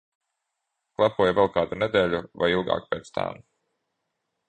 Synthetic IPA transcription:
klˠapuɔjvɛlˠkaːd̪uned̪eːlʲuva̰jilˠɡa̰ːkpeːt̪st̪ʰa̰m

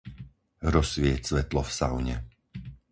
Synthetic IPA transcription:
ɾɔsʋɪɛcsʋɛt̪lɔfsaʊɲɛ̰

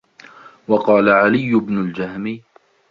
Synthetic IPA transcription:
wɑqɑːlaʕalɪjːʊbnʊld͡ʒahmiː

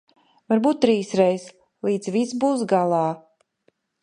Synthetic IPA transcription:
vaɾbuːt̪̚ːɾiːsɾɛjs | lˠiːd̪zvisbuːs̬ɡalˠaː

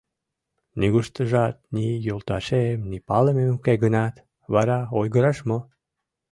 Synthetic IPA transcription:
niɣuʃt̪əʒɑt̪̚nijolt̪ɑʃemnipɑlememukeɡənɑt̪ | βɑɾɑojɣəɾɑʃmo

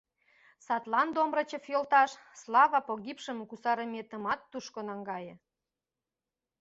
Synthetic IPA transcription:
sɑt̪lɑnd̪omrə̆t͡ɕə̆fjolt̪ɑʃslɑβɑpoɣʲipʃəmkusɑɾəmʲet̪ə̆mɑt̪ːuʃkonɑŋɡɑjə̆

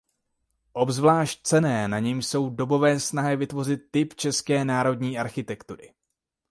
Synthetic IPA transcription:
ʔo̞bzvlaːʃc̚t͡sɛnɛːnaɲɛmʃso̞wdo̞bo̞vɛːsnaɦɪvɪt̪vo̞r̝ɪt̪̚ːɪpt͡ʃɛskɛːnaːɾo̞dɲiːʔaɾxɪt̪ɛkt̪uɾɪ̰

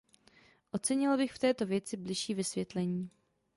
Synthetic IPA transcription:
ʔo̞t͡sɛɲɪlbɪxft̪ɛːt̪o̞vjɛt͡sɪblɪʃiːvɪsvjɛt̪lɛɲiː

